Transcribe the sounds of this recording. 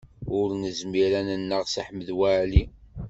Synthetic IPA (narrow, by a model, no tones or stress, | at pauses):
ʊɾnəzmiɾænənːəʁsaħməðwaʕli